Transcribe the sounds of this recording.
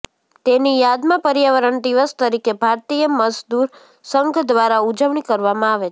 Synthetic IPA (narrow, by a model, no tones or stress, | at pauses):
t̪enijad̪mãpəɾjaʋəɾəɳd̪iʋəst̪əɾikebʱaɾt̪ijəməzd̪uɾ | səŋɡʱd̪ʋaɾaud͡ʒəʋɳikəɾʋamãaʋe